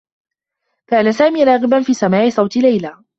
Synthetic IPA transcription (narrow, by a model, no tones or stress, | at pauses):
kaːnasaːmiːɾˤɑːɣɪbanfiːsamaːʕɪsˤɑwt̪ɪlajlaː